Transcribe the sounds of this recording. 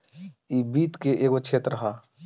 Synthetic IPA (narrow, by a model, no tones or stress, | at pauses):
iːbiːt̪keʔeːɡot͡ʃʰeːt̪ɾəɦaː